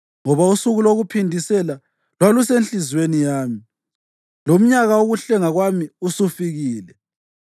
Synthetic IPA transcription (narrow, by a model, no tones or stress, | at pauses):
ŋɔβausuɣuloɣupʰindʱisɛla | lwalusenɬizwenijaːmi | lom̩ɲaɣaoɣuɬɛŋaɣwamiusufiɣiːlɛ